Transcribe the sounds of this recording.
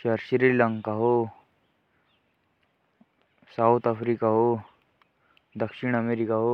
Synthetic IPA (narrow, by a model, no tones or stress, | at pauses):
ʃɐɾʃɾilə̃ŋkaɦo | saut̪apʰɾikaɦo | d̪ɐkʃiɽ̃ɐmeɾikaɦo